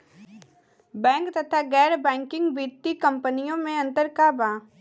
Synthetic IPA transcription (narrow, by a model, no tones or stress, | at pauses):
bɛ̃ːŋkt̪ɐt̪ʰaɡɛːɾbɛ̃ːŋkɪ̃ŋɡbiːt̪ːikɐ̃mpənijõmẽɐ̃nt̪əɾkabaː